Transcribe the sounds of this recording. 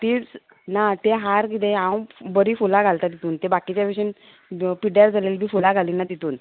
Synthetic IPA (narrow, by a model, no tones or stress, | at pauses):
t̪iːt͡s | nat̪eɦaɾkit̪ẽãwbəɾiːfulaɡʱalt̪at̪it̪uːnt̪ebakit͡ɕjabeɕin | piɖjaɾd͡zʱalelbʱiːfulaɡʱalinːad̪it̪uːn